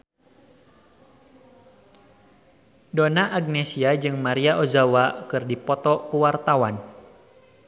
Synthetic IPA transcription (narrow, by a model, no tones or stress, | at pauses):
donaʔaɡ̚nesiad͡ʒɨŋmaɾiaʔozawakɨrdipɔt̪ɔkuwart̪awan